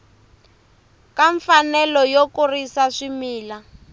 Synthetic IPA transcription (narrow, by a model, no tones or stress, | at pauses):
kaɱfanɛlɔjokurisaʂimiːla